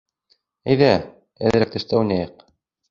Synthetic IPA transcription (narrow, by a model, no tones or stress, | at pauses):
ɘ̆jðæ | æ̰̆ðɘ̆ɾæk̚t̪ɘ̆ʃt̪æwunæjɤq